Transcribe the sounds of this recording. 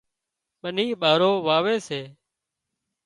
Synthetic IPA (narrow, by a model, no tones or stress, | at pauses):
ɓəniːɓaːɾoːʋaːʋeːseː